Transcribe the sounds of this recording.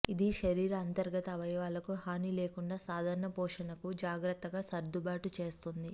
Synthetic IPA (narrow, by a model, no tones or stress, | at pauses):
id̪iʃɐɾiːɾɐɐnt̪ɐɾɡɐt̪ɐʋɐjʋaːlɐkuɦaːniːle̞ːkuɳɖaːsaːd̪ʱaːɾɐɳɐpɔːʂɐnɐkud͡ʒaːɡɾɐt̪ːɐɡaːsɐɾd̪ubaːʈut͡ʃe̞ːst̪und̪i